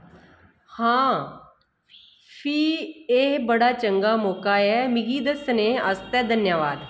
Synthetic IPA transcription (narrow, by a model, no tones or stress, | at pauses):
hãː | pʰiːeːbəɽaːt͡ʃəŋɡaːmoːkaːɛːmɪɡiːd̪əsneːəst̪ɛːd̪ənjəʋaːd̪